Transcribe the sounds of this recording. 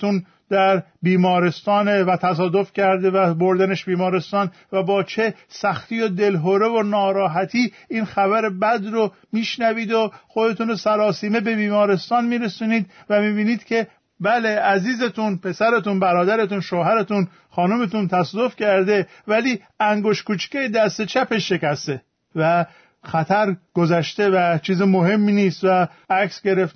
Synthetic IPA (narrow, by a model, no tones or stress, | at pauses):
un | d̪̥æɾ | biːmɒːɾest̪ɒːnevæt̪ʰæs̬ɒːd̪o̞fcæɾd̪e̞væboɾd̪æneʃbiːmɒːɾe̞st̪ɒːnvæbɒːt͡ʃʰe̞sæxt̪iːjod̪e̞lɦoɾe̞vonɒːɾɒːɦæt̪ʰiː | iːnxævæɾe̞bæd̪ɾo | miːʃnæviːd̪oxo̞d̪e̞t̪unosæɾɒːsiːme̞be̞biːmɒːɾe̞st̪ɒːnmiːɾesuːniːd̪̚væmiːbiːniːd̪̥cʰʲe̞ | bæleæziːzet̪unpʰe̞sæɾet̪unbæɾɒːd̪æɾet̪unʃoːɦæɾet̪un | xɒːnumet̪unt̪ʰæsd̪ofcʰæɾd̪e̞væliː | æŋɡo̞ʃtkuːt͡ʃcejed̪æst̪e̞t͡ʃʰæpeʃe̞cæst̪e | væ | xæt̪ʰæɾɡ̥ozæʃt̪evæt͡ʃʰiːzimohe̞mːiniːst̪væ | æksɡe̞ɾeft̪